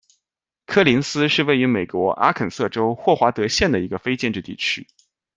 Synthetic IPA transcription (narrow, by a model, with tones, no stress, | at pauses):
kʰɤ˥˩li˧˥nsɹ̩˥ʂɻ̩˥˧we˥˩ɪy˧˥me˨˩ɪkwɔ˧˥ʔa̰˥kʰə˨˩nsɤ˥˩ʈ͡ʂo˥ʊxwɔ˥˩xwa˧˥t̪ɤ˧˥ɕjɛ˥˩nd̪ə˩i˧˥ɡə˧fe˥ɪt͡ɕjɛ˥˧nʈ͡ʂɻ̩˥˧t̪ḭ˥˩t͡ɕʰy˥